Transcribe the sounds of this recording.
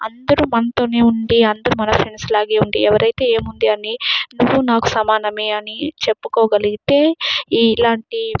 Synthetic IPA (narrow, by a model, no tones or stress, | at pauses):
ɐnd̪ɐɾumɐnɐt̪o̞ːne̞ːuɳɖiɐnd̪ɐɾumɐnɐpʰɾe̞nslaːɡeːuɳɖiɛʋɐɾɐjt̪eːeːmund̪iɐninuʋːunaːku̥sɐmaːnɐme̞ːɐnit͡ʃe̞pːu̥koːɡɐliɡit̪e̞ːilaːɳʈi